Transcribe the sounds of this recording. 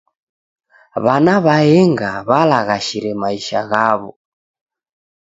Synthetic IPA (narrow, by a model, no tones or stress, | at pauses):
βanaβaɛŋɡaβalaɣaʃiɾɛmaiʃaɣaβɔ